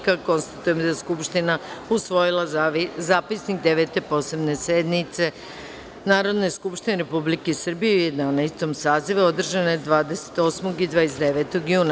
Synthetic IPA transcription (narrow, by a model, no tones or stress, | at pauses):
kako̞nst̪at̪ujemd̪aeskupʃt̪inausʋo̞jilˠazaːpisnik̚d̪e̞ʋe̞t̪e̞po̞se̞bne̞se̞d̪nit̪se̞ | naːɾo̞d̪ne̞skupʃt̪ineɾe̞publikesr̩bijeuje̞d̪anajst̪o̞msaːziʋuo̞d̪r̩ʒanod̪ʋaːd̪e̞se̥t̪o̞ːsmo̞ɡid̪ʋaesd̪eʋe̞ːt̪o̞ɡjuːna